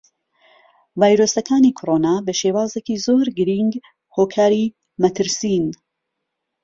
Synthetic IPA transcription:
vaːjɾoːsɐkʰaːnikʰoɾoːnaːbɐʃeːwaːzekizoːɾɡɨɾiŋɡ | hoːkʰaːɾi | mɐt̪ʰɨɾsin

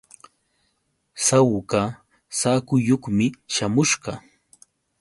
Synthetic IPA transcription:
sawka | saːkʊjoχmɪʃamʊʃɢɑ

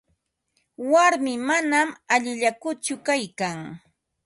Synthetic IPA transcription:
waɾmɪmanamaʎɪʎakʊt͡ʃʊkajkaŋ

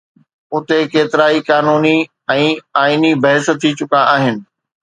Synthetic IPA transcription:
ʊt̪ekeːt̪ɪɾaːikaːnuːni | ɛ̃ːaːinibɐɦɪst̪ʰːit͡ɕʊkaʔaːɦɪnɪ̆

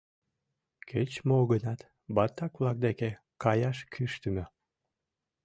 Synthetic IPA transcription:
kʰet͡ɕmoɣənɑt̪ | bɑt̪ːɑkvlˠɑk̚d̪eke | kɑjɑʃkʰyʃt̪əmø

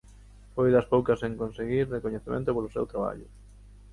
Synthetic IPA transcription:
fojðɐspowkɐseŋkonseɣiɾrekoɲeθemḛ̃nt̪ʊpolʊsḛwt̪ɾaβa̰ʎʊ

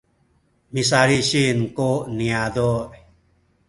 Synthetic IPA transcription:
mis̬aɾiɕinkoʔniadoʔ

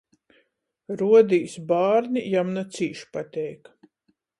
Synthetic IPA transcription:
ɾuɔd̪iːsbaːɾnʲijamnat̪siːʃpat̪ʲɛjk

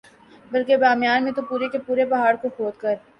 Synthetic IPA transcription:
bɐlkebaːmjaːnmẽt̪opuːɾekepuːɾebɐɦaːɽkoxoːt̪̚kɐɾ

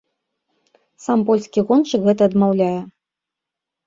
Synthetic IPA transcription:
sampɔlʲskʲiɣɔnt͡ʂɨkɣɛt̪ɐːd̪mawlʲajɛ

